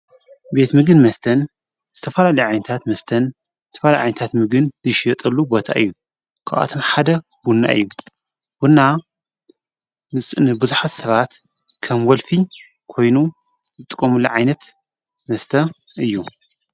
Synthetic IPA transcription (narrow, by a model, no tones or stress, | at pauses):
be̞t̪mɨɡɨnmɐst̪ʰɐn | zɨt̪ʰɐfɐlalɐjuʕajnɐt̪ʰat̪mɐst̪ʰɐn | zɨt̪ʰɐfɐlajʕa̰jnɐt̪ʰat̪mɨɡɨnzɨʃjɛt̪ʼɐlːubo̞t̪ʰa̰ʔɨ̰jːu | kʰaʔʔa̰t̪ʰomħad̪ɐ | bunːa̰ʔɨ̰jːu | bunːa | ɨnɨbɨzuħat̪sɐβat̪ | kʰɐmwɔlfi | kʰo̞jnuzɨt̪ʼɨkʼːɐmulːɐ̰ʕajnɐt̪ | mɐst̪ʰɐɨjːu